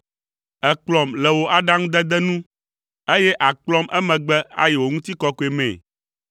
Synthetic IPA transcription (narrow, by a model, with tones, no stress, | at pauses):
ɛ˨k͡plɔ˨mlɛ˨wo˨ʔa˦ɖa˦ŋũ˦d̪ɛ˦d̪ɛ˦nũ˦ | e˦jɛ˦ʔa˨k͡plɔ˦mʔɛ˦mɛ̃˨ɡ͡bɛ˦a̰˦je˨wo˨ŋũ˦t̪i˦kɔ˦ko˨e˨mɛ̰̃˨